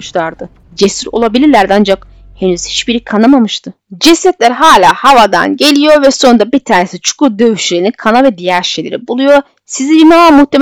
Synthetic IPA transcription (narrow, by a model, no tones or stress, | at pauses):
ʃlˠaɾd̪ɯ | d͡ʒesiɾo̞̰lˠabilʲiɾlʲæɾd̪iand͡ʒak | henyz̥hi̥t͡ʃbiɾikʰanamamɯʃt̪ʰɯ | d͡ʒɛsɛt̪lʲæɾɦaːlʲaːhavad̪a̰nɟe̞lʲijo̞ɾvɛso̞nd̪abiɾt̪ʰaːnesit͡ʃʰu̥kud̪ø̞vyʃlʲeɾininkʰanavɛd̪ijæɾʃe̞jlʲeɾibulˠujo̞ | sizibimavamuht̪ʰːem